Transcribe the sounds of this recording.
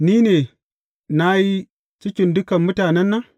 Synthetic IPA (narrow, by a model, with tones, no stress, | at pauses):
ni˦ne˨ | na˦ji˦ | t͡ʃi˦kʲi˨ndɨ˦kɐ˨mmu˦taː˨ne˦nːa˦